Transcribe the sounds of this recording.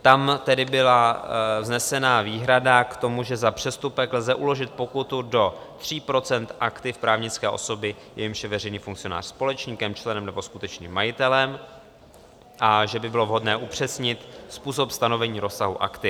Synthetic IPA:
t̪amt̪ɛdɪbɪlavznɛsɛnaːviːɦɾadakt̪o̞muʒɛzapr̝̥ɛst̪upɛklzɛʔulo̞ʒɪt̪̚po̞kut̪udo̞t̪r̝̥iːpɾo̞t͡sɛnt̪ʔakt̪ɪfpɾaːvɲɪt͡skɛːʔo̞̰so̞bɪjɛjɪmʃjɛvɛrɛjniːfuŋkt͡sɪjo̞na̰ːr̥spo̞lɛt͡ʃɲikɛmt͡ʃlɛnɛmnɛbo̞skut̪ɛt͡ʃniːmːajɪt̪ɛlɛm | ʔaʒɛbɪbɪlo̞vɦo̞dnɛːʔupr̝̥ɛsɲɪt̪spuːs̬o̞pst̪ano̞vɛɲiːɾo̞saɦṵʔa̰kt̪ɪ

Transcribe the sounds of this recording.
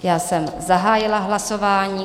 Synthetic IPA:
jaːsɛmzaɦaːjɪlaɦlasovaːɲiː

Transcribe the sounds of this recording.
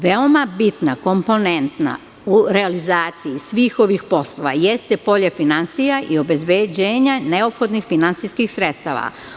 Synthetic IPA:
ʋeo̞mabit̪nako̞mpo̞ne̞nt̪na̰ | uɾe̞alizaːt̪sijisʋiːxo̞ʋixpo̞slˠo̞ʋa̰je̞st̪e̞po̞ʎefinansijaʔio̞be̞zbed͡ʑeːɲane̞o̞pxo̞d̪nixfinansijskixsɾet̪st̪aːʋa̰

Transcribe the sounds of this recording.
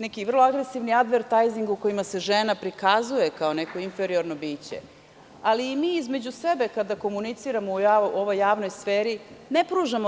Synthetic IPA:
nekiʋr̩lˠoaɡɾesiʋniad̪ʋeɾt̪ajziŋɡuko̞jimase̞ʒenapɾikazuje̞kao̞ne̞ko̞infeɾio̞ɾno̞biːt͡ɕḛ | aliːmiːizme̞d͡ʑusʋe̞be̞kad̪ako̞munit̪siːɾamoujaoʋo̞jːaːʋno̞jsfeːɾinepɾuːʒamo

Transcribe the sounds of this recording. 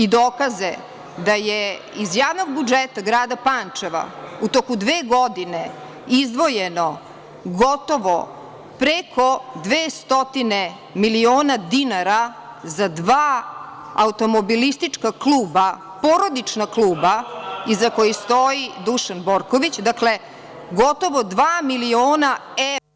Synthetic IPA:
id̪oːkaze | d̪ajeizjaːʋnoɡ̚bud͡ʒet̪aɡɾaːd̪apant͡ʂeʋa̰ut̪okud̪ʋeːɡod̪ine | izd̪ʋo̞jeno | ɡot̪o̞ʋo | pɾekʰo̞d̪ʋeːst̪ot̪ine | milioːnad̪inaɾa | zad̪ʋaː | aut̪omobilist̪it͡ʂkaklˠuːba | po̞ɾo̞d̪it͡ʃnaklˠuːbaizako̞jist̪o̞id̪uʃanbo̞ɾko̞ʋit͡ɕd̪akle̞ | ɡo̞t̪o̞ʋo̞d̪ʋaːmilioːnaɛ

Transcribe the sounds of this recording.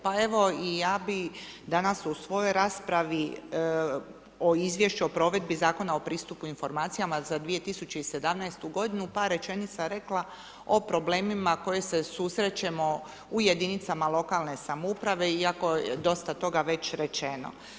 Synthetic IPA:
pae̞ʋo̞ijaːbid̪anasusʋo̞jo̞jɾaːspɾaʋi | oizʋje̞ʃt͡ʃuo̞pɾo̞ːʋe̞d̪̚bizaːko̞nao̞pɾiːst̪upuinfo̞ɾmaːt̪sijamazad̪ʋije̞t̪isut͡ɕeise̞d̪amnajst̪uɡo̞d̪inupaɾe̞t͡ʃe̞nit̪saɾe̞klˠa | o̞pɾo̞ble̞ːmimako̞je̞se̞susɾe̞t͡ɕe̞mo̞ | ujed̪init̪samalˠo̞kalne̞samoupɾaʋe̞iako̞ḛd̪o̞st̪at̪o̞ɡaʋe̞t͡ɕɾe̞t͡ʃeno̰

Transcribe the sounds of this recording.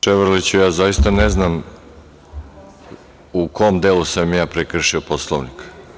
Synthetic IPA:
t͡ʃeʋɾlit͡ɕujaːzajist̪aneznam | ukoːmd̪eːlusamːijaːpɾekr̩ʃioposlˠoʋnik

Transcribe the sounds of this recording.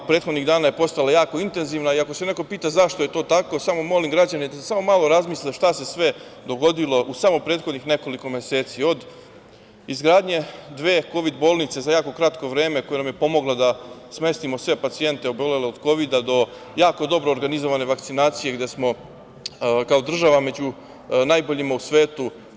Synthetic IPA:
pɾeːt̪xod̪niɣd̪aːnaje̞po̞st̪alajaːkoint̪e̞nziːʋnaiako̞se̞ne̞ko̞piːt̪azaʃt̪o̞je̞t̪o̞ːt̪ako̞samomo̞limɡɾad͡ʑanid̪asesamo̞malo̞ɾazmiːslʲaʃt̪ase̞sʋe̞d̪o̞ɡo̞d̪ilˠo̞ʔusamopɾeːd̪xo̞d̪nixne̞ko̞liko̞me̞se̞ːt̪sio̞d̪ | izɡɾaːd̪ɲe̞d̪ʋe̞ːko̞ʋid̪bo̞ːlˠnit̪se̞zajaːko̞kɾat̪ko̞ʋɾeːme̞kojenamjepo̞mo̞ɡlad̪asme̞st̪imo̞sʋe̞pat̪sie̞nt̪e̞oboleleod̪ko̞ʋid̪ad̪o̞ | jaːko̞d̪o̞bɾo̞ːɾɡanizoʋane̞ʋak̚t̪sinaːt̪sije̞ɡd̪e̞smo̞ | kaod̪r̩ʒaʋame̞d͡ʑu | najbo̞ʎimausʋeːt̪u

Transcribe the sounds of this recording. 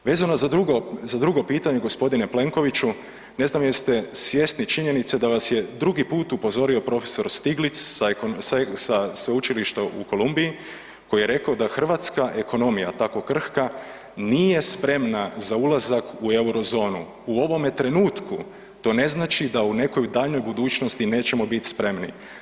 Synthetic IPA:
ʋe̞ːzanozad̪uɡozad̪ɾuɡo̞piːt̪aɲe̞ɡo̞spo̞d̪ine̞ple̞ŋko̞ʋit͡ʃu | ne̞znamjest̪e̞sʋje̞st̪nit͡ʃiɲe̞nit̪sed̪aʋasje̞d̪ɾuɡipuːt̪upo̞zo̞ɾio̞pɾo̞feso̞ɾst̪iɡlit̪ssassasʋeut͡ʃiliʃt̪oʔṵko̞lˠumbii | ko̞jijeɾe̞kaod̪axr̩ʋat̪skaʔe̞ko̞no̞mija̰t̪ako̞kr̩hka | nije̞spɾe̞mnazaulˠazakue̞wuɾo̞zo̞ːnṵ | uo̞ʋo̞met̪ɾe̞nuːt̪ku | t̪o̞ne̞znaːt͡ʃid̪aune̞ko̞jd̪aːʎno̞jbud̪uːt͡ʃno̞st̪ine̞ːt͡ɕe̞mo̞bit̪spɾe̞mnḭ

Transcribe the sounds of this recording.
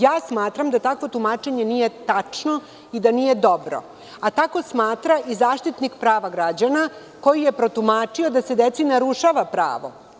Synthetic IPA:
jaːsmaːt̪ɾamd̪at̪akʋo̞t̪umaːt͡ʃeɲe̞niːje̞t̪at͡ʂno̞ | id̪anije̞d̪o̞bɾo̰ | at̪ako̞smaːt̪ɾaʔizaːʃt̪it̪nikpɾaːʋaɡɾad͡ʑana | ko̞jije̞pɾo̞t̪umaːt͡ʂiod̪ase̞d̪et̪sinaɾuʃaʋapɾa̰ːʋo̞̰

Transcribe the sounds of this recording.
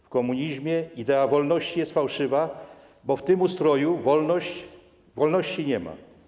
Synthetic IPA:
fkɔmuɲiʑmʲjɛid̪ɛavɔlnɔɕt͡ɕijɛst̪fawʂɘva | bɔft̪ɘmust̪ɾɔjuvɔlnɔɕt͡ɕ | vɔlnɔɕt͡ɕiɲɛma̰

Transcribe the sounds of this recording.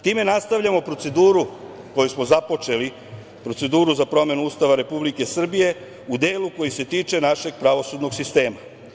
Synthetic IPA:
t̪iːme̞nast̪aʋʎamo̞pɾo̞t̪se̞d̪uːɾu | ko̞jusmo̞zapo̞t͡ʃe̞li | pɾo̞t̪se̞d̪uːɾuzapɾo̞me̞nuuːst̪aʋaɾe̞publike̞sr̩bije̞ | ud̪eːluko̞jise̞t̪iːt͡ʃe̞naʃe̞ɡpɾaʋo̞sud̪no̞ɡsist̪e̞ːma

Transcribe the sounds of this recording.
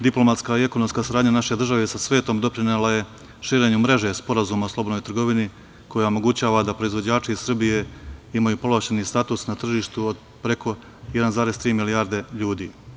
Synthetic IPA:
d̪iplˠo̞mat̪skaie̞kono̞mskasaɾaːd̪ɲanaʃe̞d̪r̩ʒaʋesasʋe̞ːt̪o̞md̪o̞pɾinelaje̞ | ʃiːɾe̞ɲumɾe̞ʒe̞spo̞ɾazuːmaslo̞bo̞d̪nojt̪r̩ɡo̞ʋini | ko̞jaomo̞ɡut͡ɕaːʋad̪apɾo̞izʋo̞d͡ʑaːt͡ʃiisr̩bije̞imajupo̞laʃenist̪at̪usnat̪r̩ʒiːʃt̪uod̪ | pɾe̞kʰo̞ | jed̪anzaːɾe̞st̪ɾiːmiliaːɾd̪e̞ʎuːd̪iː

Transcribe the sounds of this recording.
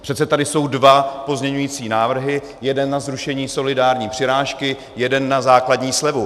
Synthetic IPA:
pr̥ɛt̪t͡sɛt̪adɪso̞wdvapo̞zmɲɛɲujiːt͡siːnaːvr̩ɦɪ | jɛdɛnːazɾuʃɛɲiːso̞lɪdaːɾɲiːpr̥ɪɾaːʃkɪ | jɛdɛnːazaːkladɲiːslɛvu

